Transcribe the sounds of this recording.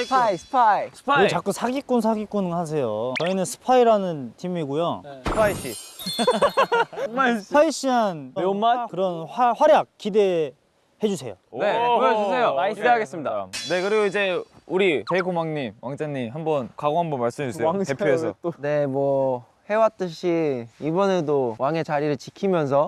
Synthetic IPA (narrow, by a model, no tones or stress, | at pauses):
spʰaspʰaspʰet͡ɕak͈ɯsʰaɡik͈unsʰaɡik͈unhas̬ʰe̞jot͡ɕʌinɯnsʰɯ̥pʰaiɾanɯntʰimiɡujosʰɯ̥pʰaiɕ͈i | aaiɕ͈ʰiɦanmakɯɾʌnaɸwaɾjak̚k͈ːide̞ | he̞d͡ʑusʰe̞̰jo̰need͡ʑusʰe̞joideɦaɡe̞s͈ɯmɲidane̞kɯɾiɡoid͡ʑe̞uɾikekʰomwaŋɲimwaŋd͡ʑaŋɲimɦambʌnkaɡoɦambʌnmaɭs͈ɯmed͡ʑusseepʰjoesʰʌne̞mwʌ | he̞wat͈ɯɕʰiibʌne̞dowaŋe̞t͡ɕaɾiɾɯɭt͡ɕikʰimjʌns̬ʰʌ